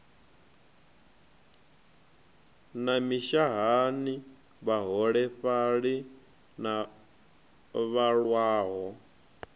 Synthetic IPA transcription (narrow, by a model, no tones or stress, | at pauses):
namiʃaɦani | βaɦɔɺɛɸaɺi | na | βaɺwaːɦɔ